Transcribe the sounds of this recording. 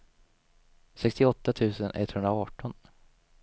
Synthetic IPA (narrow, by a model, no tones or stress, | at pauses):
sɛkst̪ɪɔt̪ːat̪ʰʉ̟ːsənʔɛ̰t̪hɵnd̪ɾaɑːʈɔn